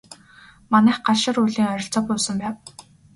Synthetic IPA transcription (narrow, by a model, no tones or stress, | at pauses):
manæːχɢaʃɪ̆ruːɮiːŋœɾʲɞ̆ɬt͡sɔːpʊːsə̆mpæːw